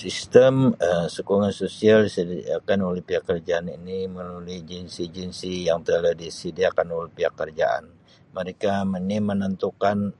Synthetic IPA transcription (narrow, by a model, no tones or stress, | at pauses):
sist̪əməmsəkuŋansosialsidiakanulihpiakərd͡ʒaːninimənulid͡ʒinsid͡ʒinsijaŋt̪əladisidiakanulihpiakərd͡ʒa̰a̰n | məɾekamənimənənt̪ukan